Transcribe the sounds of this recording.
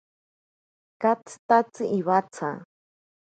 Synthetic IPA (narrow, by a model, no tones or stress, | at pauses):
kat͡sʰɨ̥t̪at͡sɨʔiβat͡sʰa̰